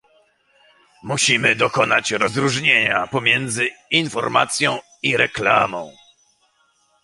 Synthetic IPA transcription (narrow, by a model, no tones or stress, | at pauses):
muɕimɘd̪ɔkɔnat͡ɕɾɔzɾuʐɲeɲapɔmʲjɛnd̪zɘinfɔɾma̰t̪sʲjɔ̃w̃ | iɾɛkla̰mɔ̃w̃